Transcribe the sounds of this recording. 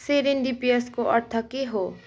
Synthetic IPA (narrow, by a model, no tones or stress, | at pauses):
seɾɪnɖipijeskoʔɐɾt̪ʰəkiɦoː